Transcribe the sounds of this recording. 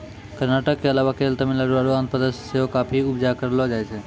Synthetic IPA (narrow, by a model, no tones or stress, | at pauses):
kəɾnaʈəkːeəlaʋakelt̪əmiləɾuaɾuə̃nt̪̚pəd̪əsseɦokapʰiʊpd͡ʒakəɾlɔd͡ʒajt͡ʃʰɛ